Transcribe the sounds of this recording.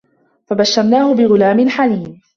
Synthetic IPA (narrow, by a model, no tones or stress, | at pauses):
fabaʃːɑɾˤnaːhʊbɪɣʊlaːmɪnħaniːm